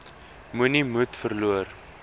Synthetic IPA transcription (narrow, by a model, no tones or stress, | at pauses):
munimutfərluər